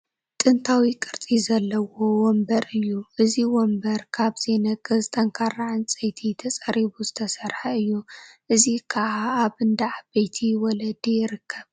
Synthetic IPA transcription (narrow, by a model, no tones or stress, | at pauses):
t̪ʼɨnt̪ʰawikʼɨɾt̪ʼizɐlːɐwo̞wɔmbɐɾɨjːuʔɨziwɔmbɐɾkʰaβz̥e̞nɐkʼɐzt̪ʼɐŋkʰarːaʕɨnt͡sʼɐjt̪ʰit̪ʰɐt͡sʼɐɾiβuzɨt̪ʰɐsɐɾħɐɨjːuʔɨzikʰɐʔaːβɨnd̪ɐʕabɐjt̪ʰiwɔlɐd̪ijɪɾɨkʰːɐβ